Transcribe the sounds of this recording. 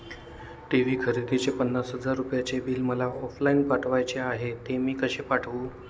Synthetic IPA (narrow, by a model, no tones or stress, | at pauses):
ʈiʋiːkʰəɾid̪it͡ɕepənːasɦəd͡zaɾːupjat͡ɕebiːlməlaɔflainpaʈʰʋajt͡ɕeaɦet̪emiːkəɕepaʈʰʋuː